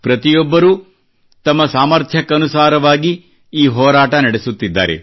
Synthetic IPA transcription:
pɾɐt̪ijɔbːɐɾuː | t̪ɐmːɐsaːmɐɾt̪ʰjɐkɐɐnusaːɾɐʋaːɡi | iːɦɔːɾaːʈɐnɐɽesut̪ːid̪ːa̰ːɾḛ

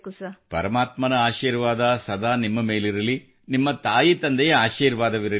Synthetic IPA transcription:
pɐ̰ɾɐmaːt̪mɐnɐaːʃiːɾʋaːd̪ɐsɐd̪aːnimːɐme̞ːliɾɐli | nimːɐt̪aːjit̪ɐnd̪ɛjɐaːʃiːɾʋaːd̪ɐʋiɾɐ

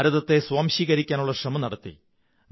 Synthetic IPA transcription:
ɾɐðɐt̪ːe̞swaːmɕiːɣɐɾikʲːaːnuɭːɐʂrɐmɐnɐɽɐt̪ːḭ | n

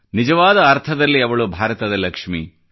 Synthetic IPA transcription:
nid͡ʒɐʋaːd̪ɐːɾt̪ʰɐd̪ɐlːiɐʋɐɭubʱaːɾɐt̪ɐd̪ɐlɐkʂmi

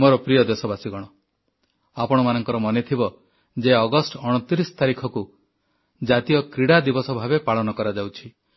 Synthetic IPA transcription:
mɔɾɔpɾijɔd̪esɔbasiɡɔɽ̃ɔ | apɔɽ̃ɔmanɔŋkɔɾɔmɔnet̪ʰibɔ | d͡ʒeɔɡɔsʈɔɽ̃ɔt̪iɾisɔ̥t̪aɾikʰɔku | d͡ʒat̪ijɔkɾiɽad̪ibɔsɔbʱabepaɭɔnɔkɔɾad͡ʒawt͡ʃʰi

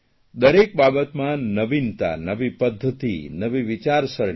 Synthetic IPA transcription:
d̪əɾek̚babət̪mãnəʋint̪a̰nəʋipəd̪ʱːət̪ḭnəʋiʋit͡ʃaɾsəɾ

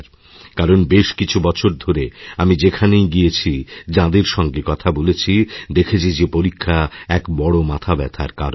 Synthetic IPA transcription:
ɾ | kaɾonbeʃkit͡ɕʰubɔt͡ɕʰoɾd̪ʱoɾeamid͡ʑekʰanejɡijet͡ɕʰid͡ʑãd̪eɾʃɔŋɡekɔt̪ʰabolet͡ɕʰid̪ekʰet͡ɕʰid͡ʑepoɾikʰːaɛkbɔɽomat̪ʰabɛt̪ʰa̰ɾka̰ɾ

